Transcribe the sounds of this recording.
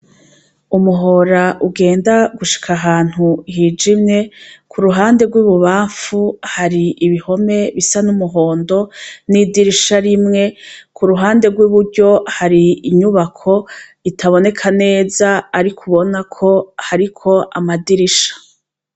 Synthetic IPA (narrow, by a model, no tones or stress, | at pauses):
umuɦo̞ɾaʔuɡe̞ːndaɡuʃi̥kʰaɦaːn̥huɦiːd͡ʒimɲe̞kʰuɾuɦaːnde̞ɡwiːβuβaːɱfuhaɾiʔiβiho̞me̞βisanumuɦoːndo̞nidiɾiʃaɾimŋe̞kʰuɾuɦaːnde̞ɡwiβuɾɟo̞haɾiiɲuβakʰo̞itʰaβo̞ne̞kʰane̞ːzaːɾikʰuβo̞nakʰo̞haɾikʰo̞ʔamadiɾiʃḁ